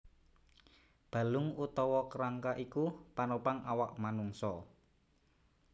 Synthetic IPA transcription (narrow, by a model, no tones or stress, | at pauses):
b̥a̤lʊŋut̪ɔwɔkəɾaŋkaʔikupanopaŋʔawaʔmanuŋsɔ